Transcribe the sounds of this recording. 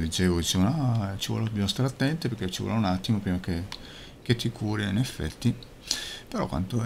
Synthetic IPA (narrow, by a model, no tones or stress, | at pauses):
d̪it͡ʃeːvod̪it͡ʃeːvonat͡ʃivɔ̰ːlobamost̪aɾeat̪ːɛnt̪epeɾket͡ʃːiwɔ̰launat̪ːimopɾiːmake | k̟et̪ːikʰuːɾiinefːɛ̰t̪ːi | peɾɔ̰kwa̰nt̪o